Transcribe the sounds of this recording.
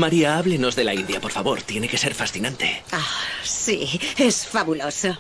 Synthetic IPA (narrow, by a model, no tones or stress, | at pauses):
maɾiaaβleno̞zðe̞laind̪japo̞ɾfaβo̞ɾt̪je̞neke̞se̞ɾfasθinant̪e̞asiesfaβuloso